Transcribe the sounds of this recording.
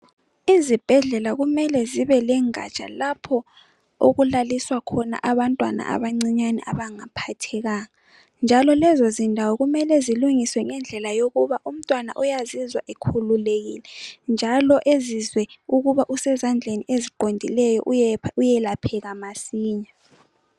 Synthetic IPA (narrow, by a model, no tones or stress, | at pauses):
izib̥ʱɛɮɛlaɣumɛlɛziβɛlɛŋa̰t͡ʃʼa̰lapʰɔ | o̰ɣulaliswakʰɔna̰ʔaβantʼwana̰ʔa̰βaŋ͡ǀiɲanɛ̰ʔaβaŋapʰatʰɛɣaːŋa | nd͡ʒʱalɔlɛzozindʱawɔɣumɛlɛziluŋiswɛŋɛnd͡ɮʱɛlajoɣuβaʔum̩tʼwana̰ʔujazizwa̰ʔekʰululeɣilɛnd͡ʒʱalɔʔezizwɛuɣuβaʔusɛzand͡ɮʱeniʔeziǃondʱilɛjɔ̰ʔujɛlapʰɛɣamasiːɲa